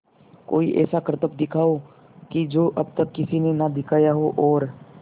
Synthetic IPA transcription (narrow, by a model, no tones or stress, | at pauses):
ko̰ːiʔɛ̰ːsakɾət̪əp̚d̪ɪkʰaːo | kid͡ʒoːʔɐb̚t̪əkːɪsinenad̪ɪkʰaːjaɦoʔɔːɾ